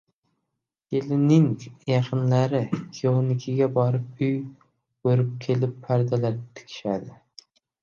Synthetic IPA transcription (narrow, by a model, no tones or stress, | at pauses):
jelɪnɪŋjaqʰɨnlaɾɪkʰʲionɪkʲʰɪɡʲabɒɾɪp̚ʊj | bɵɾɪp̚kʲʰelɪpʰːaɾd̪alaɾt̪ʰɪ̥kʲʰɪ̥ʃad̪ɪ